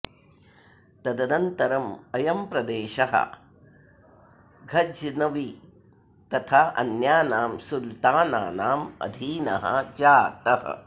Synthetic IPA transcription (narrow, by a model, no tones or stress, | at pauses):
t̪ɐd̪ɐnɐnt̪ɐɾɐmɐjɐmpɾɐd̪eːʃɐɦɐ̰ | ɡʱɐd͡ʒnɐʋi | t̪ɐt̪ʰaɐ̰njaːnaːmsult̪aːna̰ːnaːmɐ̰d̪ʱiːnɐ̰ɦɐ̰d͡ʒaːt̪ɐɦɐ̰